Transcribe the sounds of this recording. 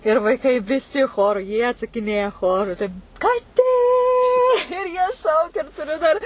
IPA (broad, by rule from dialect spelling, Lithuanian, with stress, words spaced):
ɪr ʋɐɪˈkɐɪ ʋʲɪˈsʲɪ ˈxoːrʊ jiɛ ɐtsɐkʲɪˈnʲeːjɛ ˈxoːrʊ tɐɪ kɐˈtʲeː jiɛ ˈʃɐʊkʲɛ ɪr tʊˈrʲʊ dɐr